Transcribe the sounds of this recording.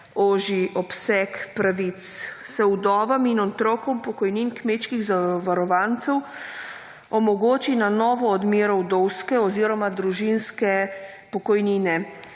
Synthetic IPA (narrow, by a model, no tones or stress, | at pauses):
oːʒiʔɔpsɛkpɾaʋit̪ssɛud̪ɔːʋɐminɔt̪ɾɔkɔmpɔkɔjninkmeːt͡ʃkiɣzaʋaɾɔʋaːnt̪sɛw | ɔmɔɡoːt͡ʃinanɔːʋɔːd̪meːɾɔwd̪ɔwskɛɔziːɾɔmad̪ɾuʒinskɛ | pɔkɔjniːnɛ